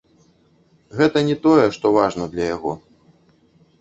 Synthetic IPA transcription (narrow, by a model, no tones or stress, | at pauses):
ɣɛt̪ɐnʲɛt̪ɔjɛʂt̪ɔvaʐnɐd̪lʲɐjaɣɔ̰